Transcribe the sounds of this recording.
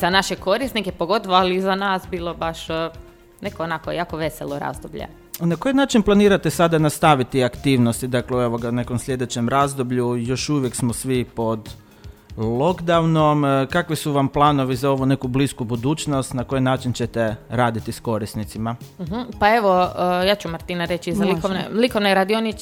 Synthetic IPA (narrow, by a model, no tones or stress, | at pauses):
zanaʃeko̞ɾisnikepoɡo̞t̪oʋoalizanaːsbiːlˠobaʃ | nekoonakojaːkoʋeselˠoɾa̰zd̪obʎḛ | nako̞jinaːt͡ʃinplˠaniːɾat̪esad̪anast̪aʋit̪iakt̪iːʋnost̪id̪akleuoʋoɡaune̞komslʲje̞d̪et͡ɕemɾazd̪obʎujo̞ʃuʋjeksmosʋipo̞d̪ | lˠo̞ɡd̪awnomkakʋisuʋamplˠaːno̞ʋizao̞ʋune̞kubliskubud̪uːt͡ʃno̞st̪nakojinaːt͡ʃint͡ɕet̪eɾaːd̪it̪isko̞ɾisnit̪simaɦ̩paeʋojaːt͡ʃumaɾt̪inaɾet͡ʃizalikoʋnḛlikoʋneɾad̪ioni